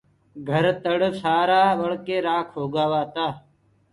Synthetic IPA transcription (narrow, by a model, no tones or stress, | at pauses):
ɡʱəɾt̪əɽsaːɾaːʋəɭkeːɾaːkʰɦoːɡaːʋaːt̪aː